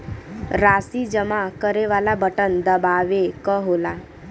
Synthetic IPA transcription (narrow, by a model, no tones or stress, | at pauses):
ɾasid͡ʑəmakəɾeʋalabəʈənd̪əbaʋekəɦola